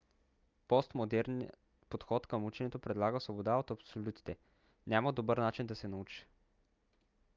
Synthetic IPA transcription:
pɔst̪mod̪ɛɾniə | pot̪xɔt̪kəmut͡ʃɛnʲɛt̪opɾɛd̪lˠaɡəsvobod̪aot̪ɐpsolʲut̪i̥t̪ɛ | nʲaməd̪obəɾnat͡ʃind̪ɐsɛnɐut͡ʃi̥

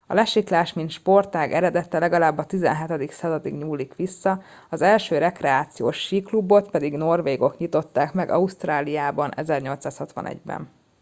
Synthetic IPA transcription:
ɒ̰lɛʃiklaːʃmint̪ʃpo̞rt̪aːɡɛɾɛd̪ɛt̪ːɛlɛɡɒlaːbːɒt̪izɛ̰nɦɛt̪ɛd̪iksɒzɒt̪iɡɲuːlːikʋisːɒ | ɒzɛlʃøːɾɛkrɛaːt̪sijoːʃːiklubo̞t̪pɛd̪iɡno̞rveːɡo̞kɲit̪o̞t̪ːaːkmɛɡɒ̰ust̪raːlijaːbɒnʔɛzɛrɲo̞lt̪saːshɒt̪ʋɒ̰nɛ̰ɟbɛ̰n

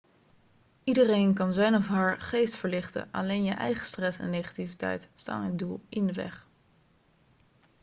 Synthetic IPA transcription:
idərejnkɑnzɛjnɔfɦaːɹχejstfəɹlɪχtə̰ʔɑ̰lejnjəʔɛ̰jχə̥strɛsɛ̰nːejχḁtivitɛ̰jtsta̰ːnɦədulˠʔɪndəʋɛ̰χ

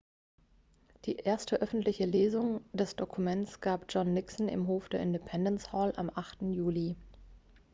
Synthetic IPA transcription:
d̥iːʔeːɐstʰəʔœfn̩tlɪçəleːzʊŋd̥ɛsd̥okʰumɛnsɡ̥aːpd͡ʒ̥ɔnːɪksn̩ɪ̰mɦoːfd̥eːɐɪndepʰɛndənshɔːla̰mʔaχtn̩juːli

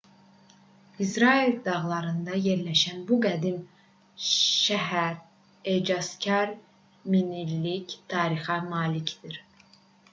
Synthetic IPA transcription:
izɾɑild̪ɑʁlˠɑɾɯnd̪ɑje̞ɾlæʃænbuɡæd̪im | ʃæɦæɾ | ed͡ʒɑscʰɑɾ | minilːict̪ʰɑːɾiχɑmɑːlicd̪̥iɾ

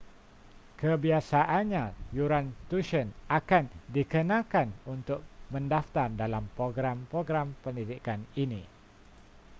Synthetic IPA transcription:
kʰəbiasaʔanɲãjuɾant̪uʃənakandikənãkanunt̪ʊk̚mə̃ndaft̪ardalampɾoɡɾampɾoɡɾampəndidikaninḭ̃

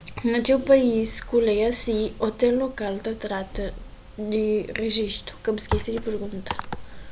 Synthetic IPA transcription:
ɨnat͡ʃelpaiskulejasiot̪elːokalt̪ət̪ɾat̪ə | d̪ereʒist̪ɾu̥kəbskʲest̪ed̪eperɡunt̪ə̥

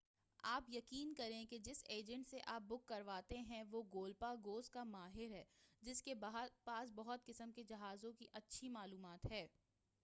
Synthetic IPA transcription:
aːpjɐkiːnkɐɾẽked͡ʒɪseːd͡ʒə̃ɳʈseʔaːp̚bʊkːɐɾʋaːt̪eɦɛ̃ʋoɡoːlpaɡoːskamaːɦɪɾɦɛːd͡ʒɪskebɦpaːsbɐɦʊt̪̚kɪsəmked͡ʒɐɦaːzõkiʔɐtːʃʰimaːluːmaːt̪ɦɛː

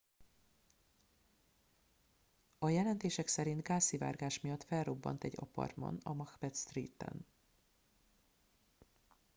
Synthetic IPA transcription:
ɒjɛlɛnt̪eːʃɛksɛɾint̪ɡaːsiva̰ːrɡaːʃmijɒt̪fɛlro̞bːɒ̰nt̪ɛɟːɒ̰pɒ̰rmɒ̰nɒmɒxpɛt̪st̪rḭːt̪ːɛ̰n

